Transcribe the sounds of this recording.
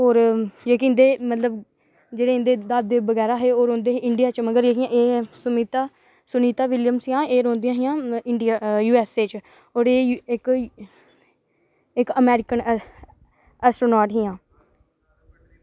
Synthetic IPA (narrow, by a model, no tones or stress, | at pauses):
oːɾd͡ʒeːkːɪ̃nd̪eːmət̪ləb | d͡ʒeːɽeːɪnd̪eːd̪ad̪ːeːbəɡɛːɾaːɦeːoːɾõːnd̪eːɦeɪɳɖijaːt͡ʃməɡəɾeːkʰɪjãːʔeːsʊmiːt̪aː | sʊniːt̪aːʋɪljəmsjãːeːɾõːnd̪ɪjãːɦɪjãːɪɳɖijaːjuːɛːseːt͡ʃ | oːɾeːɪk | ɪkəmɛːɾɪkən | ɛːsʈɾoːnaːɾʈɦɪjãː